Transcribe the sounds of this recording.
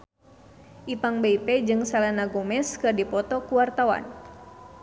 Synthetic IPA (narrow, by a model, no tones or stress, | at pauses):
ʔip̪aŋbeipɛd͡ʒɨŋsalanaɡɔmɛskɨrdipɔt̪ɔkuwart̪awa̰n